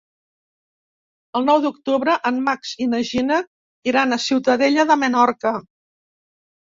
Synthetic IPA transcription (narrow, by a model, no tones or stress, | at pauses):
əlˠnɔwðuk̚t̪uβɾəʔəmmaksinəʒinə | iɾanəsiwt̪əðeʎəðəmənɔɾkə